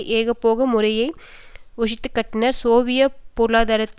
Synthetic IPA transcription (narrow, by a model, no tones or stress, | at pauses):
ʔeːɣɐpːoːɣɐmʊrɐjɐɪʊʂ̬ɪt̪ːɯkːɐʈːɪnɐɾsoːʋɪjɐpuːɾɯɭaːðaːɾɐt̪ː